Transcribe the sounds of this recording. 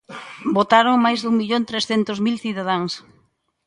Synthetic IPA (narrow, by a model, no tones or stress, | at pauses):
bot̪aɾoŋmajzðuŋmiʎont̪ɾesθent̪ʊzmilθiðað̞aŋs